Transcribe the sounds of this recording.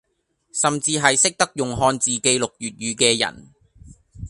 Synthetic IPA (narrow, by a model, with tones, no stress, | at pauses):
sɐ˨mt͡siː˧ɦɐ˨jsɪ˥k̚t̪ɐ˥k̚jʊ˨ŋɦɔː˧nt͡siː˨ke˧jlʊ˨k̚jyː˨t̚ɥyː˨˧kɛː˧jɐ̰˨˩n